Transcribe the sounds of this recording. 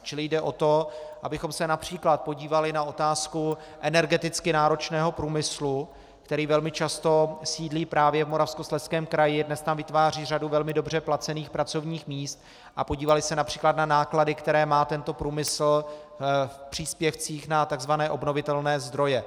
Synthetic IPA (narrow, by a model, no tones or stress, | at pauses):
t͡ʃɪlɪjdɛʔo̞t̪o̞ʔabɪxo̞msɛnapr̝̥iːklat̪̚po̞ɟiːvalɪnaʔo̞t̪aːsku | ʔɛnɛɾɡɛt̪ɪt͡skɪnaːɾo̞t͡ʃnɛːɦo̞pɾuːmɪslu | kt̪ɛɾiːvɛlmɪt͡ʃast̪o̞siːdliːpɾaːvjɛvmoɾafskoslɛskɛːmkɾajɪdnɛst̪amvɪt̪vaːriːraduvɛlmɪdo̞br̝ɛplat͡sɛniːxpɾat͡so̞vɲiːxmiːst̪ | ʔapoɟiːvalɪsɛnapr̝̥iːklat̪nanaːkladɪkt̪ɛɾɛːmaːt̪ɛnt̪o̞pɾuːmɪsl̩ | fpr̝̥iːspjɛft͡siːxnat̪aɡzvanɛːʔo̞bno̞vɪt̪ɛlnɛːzd̪ɾo̞jɛ